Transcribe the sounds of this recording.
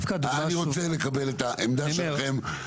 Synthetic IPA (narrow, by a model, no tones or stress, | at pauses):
fkad̪aaaniʁot͡sele̞kabe̞let̪aʔemd̪aʃelaχe̞m